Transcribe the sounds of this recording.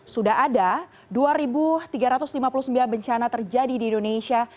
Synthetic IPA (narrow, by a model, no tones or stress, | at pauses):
sudaɦada | duaɾibut̪iɡaɾat̪ʊslimapulusəmbilanbəɲt͡ʃanat̪ərd͡ʒadidiːndonesia